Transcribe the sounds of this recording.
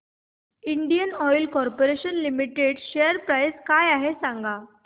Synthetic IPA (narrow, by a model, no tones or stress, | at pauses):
iɳɖijənɔjlkɔɾpoɾeɕənlimiʈeɽɕejəɾpɾajskajaɦesãŋɡʱa